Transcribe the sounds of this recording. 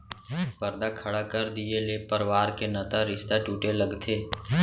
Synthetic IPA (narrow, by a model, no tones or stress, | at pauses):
pəɾd̪akʰɐɽakəɾd̪ielepəɾʋaːɾkenɐt̪aɾɪʃt̪aʈuːʈeləɡt̪ʰeː